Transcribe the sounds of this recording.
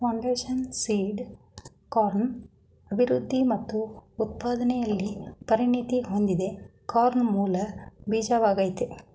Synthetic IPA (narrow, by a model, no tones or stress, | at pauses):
pɐwɳɖeːʃɐnsiːɖ | kaːɾn | ɐbʱiɾud̪ʱːimɐt̪ːuut̪̚paːd̪ɐnɛjɐlːipɐɾinit̪iɦond̪id̪e̞kaːɾnmuːlɐbiːd͡ʒaːʋaːɡɐjt̪e